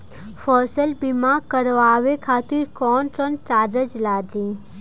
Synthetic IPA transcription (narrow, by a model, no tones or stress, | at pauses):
fʰɔːsəlbɪmaːkəɾʋaːʋekʰaːt̪ɪɾkɔːnənʈaːɾəd͡ʒlaːɖɾĩː